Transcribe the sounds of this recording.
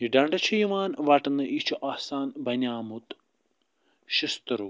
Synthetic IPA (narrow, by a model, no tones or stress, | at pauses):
iɖaːɳɖɐt͡ʃʰijumaːnʋaːʈːɐnːɨʔit͡ʃʰuʔasaːnbɐnaːmut̪ | ʃist̪ɾu